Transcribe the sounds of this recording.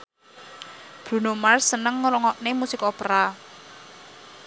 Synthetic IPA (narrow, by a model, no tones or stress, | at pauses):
b̥ɾṳnomarsənəŋːlɔŋɔʔnemusikopɾa